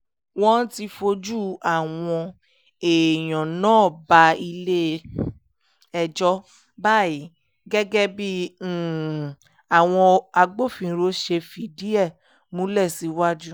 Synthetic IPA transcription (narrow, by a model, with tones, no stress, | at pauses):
wɔ̃˦ti˧fo˧d͡ʒu˦a˦˨w̃ɔ̃˧ | e˨j̃ɔ̃˨nãː˦˨ba˧i˧le˦ | ɛ˧d͡ʒɔ˦ | ba˦˨i˨˦ | ɡɛ˦ɡɛ˦bĩ˦˨ | a˨w̃ɔ̃˧a˧ɡ͡bo˦˨fĩ˧˨˦ɾo˧˦ʃe˧fi˨di˦ɛ˦˨ | mũ˦lɛ˦˨si˨˦wa˦d͡ʒu˦